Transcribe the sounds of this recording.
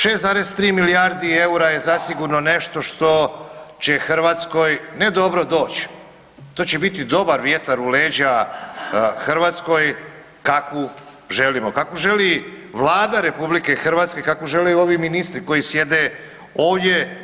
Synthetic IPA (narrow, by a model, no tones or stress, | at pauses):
ʃe̞ːsaɾest̪ɾiːmilijaɾd̪ieuɾaje̞zasiɡuɾno̞ne̞ʃt̪o̞ʃt̪o̞t͡ɕe̞xr̩ʋat̪sko̞jne̞d̪o̞bɾo̞d̪o̞ːt͡ɕ | t̪o̞ːt͡ɕe̞bit̪id̪o̞baɾʋjet̪aɾuleːd͡ʑa | xrɾʋaːt̪sko̞j | kako | ʒe̞limo̞kakoʒe̞li | ʋlˠaːd̪aɾe̞publike̞xrɾʋat̪ske̞kakoʒe̞lejuo̞ʋiminist̪ɾiko̞jisje̞d̪e | oːʋdʲje̞